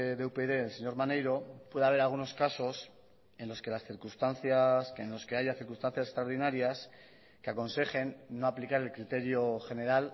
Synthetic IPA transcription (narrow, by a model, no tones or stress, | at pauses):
ðeupeðe̞ːlse̞ɲo̞ɾmanejɾo̞pwe̞ð̞eaβe̞ɾalɣuno̞skaso̞s | e̞nlo̞ske̞lasθiɾkust̪anθjasenlo̞ske̞aʝaθiɾkunst̪an̟θjase̥st̪ɾaoɾðinaɾjas | keako̞nse̞χe̞nːo̞aplikaɾe̞lkɾit̪e̞ɾjo̞xe̞ne̞ɾal